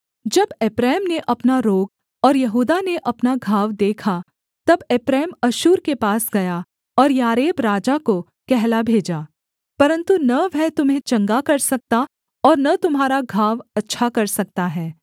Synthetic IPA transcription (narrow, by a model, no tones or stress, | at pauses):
d͡ʒɐbeːpɾɛːmneʔɐpnaɾoːɡ | ɔːɾjɐɦuːd̪aneʔɐpnaɡʱaːʋd̪eːkʰa | t̪ɐbeːpɾɛːmɐʃuːɾkepaːsɡɐja | ɔːɾjaːɾeːbɾaːd͡ʒako | kɛɦlabʱeːd͡ʒaː | pɐɾə̃nt̪unɐʋʱɛt̪ʊmɦẽt͡ʃɐ̃ŋɡakɐɾsɐk̚t̪a | ɔːɾnɐt̪ʊmɦaːɾaɡʱaːʋɐtːʃʰakɐɾsɐk̚t̪aɦɛː